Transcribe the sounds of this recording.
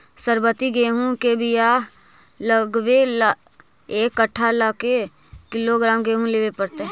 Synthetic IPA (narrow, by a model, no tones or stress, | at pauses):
səɾbət̪iɡeːɦũkebɪja | ləɡwel | eːkːəʈʰːalaːke | kɪloɡɾaːmɡeːɦũleːwepəɾt̪e